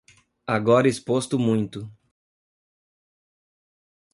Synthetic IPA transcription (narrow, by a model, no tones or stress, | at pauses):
aɡɔɾɐispost̪ʊmũj̃t̪ʊ